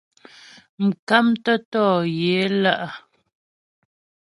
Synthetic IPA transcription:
m̩˨ka˦mtə˦tɔː˦˨je˨˦la˦ʔa˨

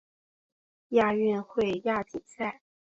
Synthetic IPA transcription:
ja˥˧ɥy˥˧nxwe˥˧ɪja˥˩t̪ʰi˨˩ŋsa˥˩ɪ

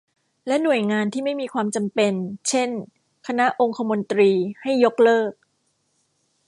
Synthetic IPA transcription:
lɛ˦˥nu˨˩əjŋaː˧nt̪ʰiː˥˩ma˥˩jmiː˧kʰwaː˧mt͡ɕa˧mpe˧nt͡ɕʰe˥˩n | kʰa˧na˦˥ʔo˧ŋkʰa˧mo˧nt̪ɾiː˧ha˥˩jːo˦˥k̚lɤː˥˩k̚

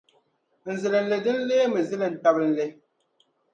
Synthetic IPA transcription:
n̩˨ze˨le˨n̩˨le˨di˦n̩˦le˦mə˨zi˦le˨n̩˨tɔ˦bn̩˨le˦

